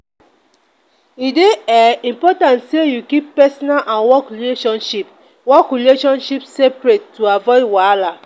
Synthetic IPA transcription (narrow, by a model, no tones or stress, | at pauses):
ideɛĩmpɔtãntsejukipːɛsɔnalʔãnwɔkɹileʃɔ̃nʃip | wɔkɹileʃɔ̃nʃipsepɹettːuavɔɪwaala